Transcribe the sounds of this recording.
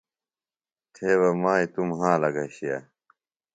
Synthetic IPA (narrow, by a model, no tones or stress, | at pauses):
t̪ʰeːwɐmãːit̪umɦãːlɐɡɐɕija̰